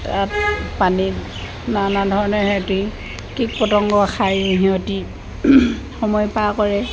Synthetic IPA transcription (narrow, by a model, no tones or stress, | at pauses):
tat̚pani | nanadʱɔɹɔnɔɦɛti | kik̚pɔtɔŋɡɔaxʰajɦiɔti | xɔmɔjpakɔɹɛ